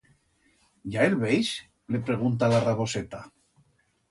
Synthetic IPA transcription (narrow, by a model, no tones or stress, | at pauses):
ɟ͡ʝaelβejs | lepɾe̞ɣ̞unt̪alaraβoset̪a